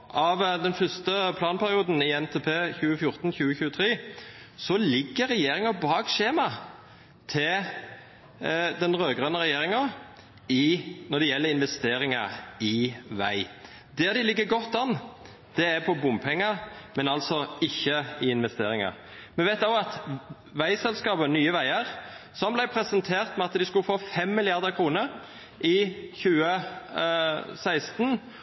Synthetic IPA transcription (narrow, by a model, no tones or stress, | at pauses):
ʔɑʋd̪ɛnfœst̪əpʰlɑːnpʰæɾɪuːd̪n̩ɪɛnt̪ʰeːpʰeːçʉːəfjʊɾt̪n̩çʉːəçʉːət̪ʰɾiː | sɔlɪɡːəɾɛjeːɾɪŋɑbɑːɡʃeːmɑ | t̪ʰɪl | d̪ɛnʁøːɡʁɑnəɾɛjeːɾɪŋɑ | ɪnɔd̪ɛjɛlːəɾɪnʋɛst̪eːɾɪŋɑɪʋæɪ | d̪æʁd̪ɪlɪɡːəɾɡɔt̪ːɑnː | d̪̥ɛæɾpʰɔbʊmpʰɛŋːəmɛnɑlsɔɪçːəɪɪnʋɛst̪eːɾɪŋɑ̰ | mɛʋæɪt̪ɑɑt̪ | ʋæɪsɛlskɑːbənyːəʋæɪəʁsɔmblæɪpʰɾɛsənt̪ʰeːʁt̪mɛɑt̪d̪ɪskʉlfoːfɛmːɪlɪɑʁd̪əkʰɾuːnəɾ | ʔɪçʉːə | sæɪst̪n